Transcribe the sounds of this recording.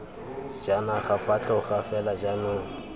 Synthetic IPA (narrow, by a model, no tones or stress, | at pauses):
d͡ʒanaχafat͡ɬʰʼaʊχafɛlad͡ʒamʊːŋ̩